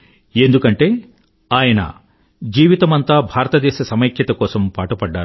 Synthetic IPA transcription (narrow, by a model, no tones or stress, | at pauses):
end̪ukɐɳʈe̞ː | aːjɐnɐ̰ | d͡ʒiːʋit̪ɐmɐnt̪aːbʱaːɾɐt̪ɐd̪ɛːʃɐsɐmɐjɐkʰjɐt̪ɐkɔːsɐmpaːʈɐpɐɖːaːɾ